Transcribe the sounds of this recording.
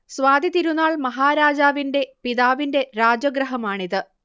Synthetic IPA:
sʋaːd̪it̪iɾunːaːɭmɐɦaːɾaːd͡ʑaːʋinde̞piðaːʋinde̞ɾaːd͡ʑɐɡɾɐɦɐmaːɳiðɨ

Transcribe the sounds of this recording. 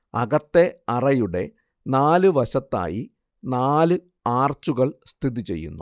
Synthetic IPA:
ɐ̰ɣɐt̪ːe̞ɐrɐjuɽe̞̰ | naːlɨʋɐɕɐt̪ːa̰ːji | naːlɨ | aːrt͡ɕːuɣɐɭst̪ʰiðit͡ɕe̞̰jːṵnːu

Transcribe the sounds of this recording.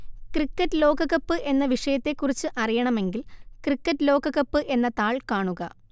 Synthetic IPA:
krikːɐtːɨlo̞ːɡɐɣɐpːɨʔe̞nːɐʋiʂɐjɐt̪ːe̞kːurit͡ɕːɨʔɐrijɐɳɐme̞ŋɡilkrikːɐtːɨlo̞ːɡɐɣɐpːɨʔe̞nːɐt̪aːɭkaːɳuɣɐ

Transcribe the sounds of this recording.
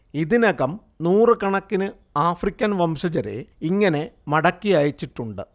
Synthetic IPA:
iðinɐɣɐm | nuːrɨkɐɳɐkːinɨ | aːfrikʲːɐnʋɐmʂɐd͡ʑɐɾḛiŋːɐne̞mɐɽɐkːijaːjit͡ɕːiʈːuɳɖɨ̰

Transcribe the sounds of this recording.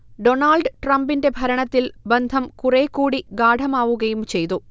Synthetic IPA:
ɖo̞naːlɖɨʈrɐmbinde̞bʱɐɾɐɳɐt̪ːilbend̪ʱɐmkureːkːuːɽiɡaːɖʱɐmaːʋuɣɐjumt͡ɕe̞jt̪u

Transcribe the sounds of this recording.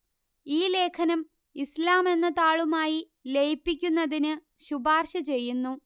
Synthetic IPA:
iːle̞ːkʰɐnɐm | islaːme̞nːɐt̪aːɭumaːji | lejpːik̬ʲːunːɐðinɨ | ɕubaːrɕɐt͡ɕe̞jːunːu

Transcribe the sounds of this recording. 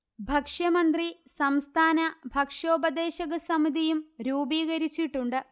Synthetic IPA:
bʱɐkʂjɐmɐnd̪risɐmst̪ʰaːnɐbʱɐkʂo̞ːbɐd̪eːɕɐɣɐsɐmid̪ʱijumɾuːbiːɣɐɾit͡ɕːiʈːuɳɖɨ

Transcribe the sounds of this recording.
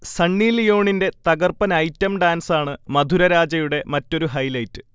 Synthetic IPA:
sɐɳːiːlijo̞ːɳinde̞t̪ɐɡɐrpɐnɐjtːɐmɖaːnsaːɳɨmɐd̪ʱuɾɐɾaːd͡ʑɐjuɽe̞mɐtːo̞ɾuɦɐjlɐjtːɨ

